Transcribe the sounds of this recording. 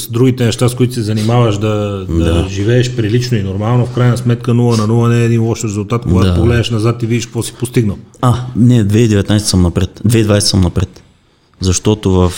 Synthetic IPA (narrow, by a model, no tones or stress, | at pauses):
sd̪ɾuɡit̪ɛnɛʃt̪askoit̪osɛzɐnimavəʃd̪ɐd̪ɐd̪aʒivɛːʃpɾilit͡ʃnoinoɾmalˠnofkɾajnɐsmɛt̪kənuvənɐnuvˠənɛːd̪inlˠɔʃɾɛzulˠt̪at̪koɡat̪opoɡlɛd̪əʃnɐzat̪ivid̪iʃkvɔsi̥post̪iɡnəlˠanɛd̪vɛid̪ɛvɛt̪najsɛ̥səmnɐpɾɛt̪d̪vɛid̪vajsɛ̥səmnɐpɾɛt̪ | zɐʃt̪ɔt̪ovɐf